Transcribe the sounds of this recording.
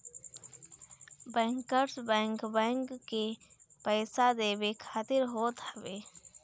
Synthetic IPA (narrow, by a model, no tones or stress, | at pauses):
bɛ̃ːŋkəɾsbɛ̃ːŋkbɛ̃ːŋkːepɛːsad̪eːbekʰaːt̪ɪɾɦoːt̪ɦəbeː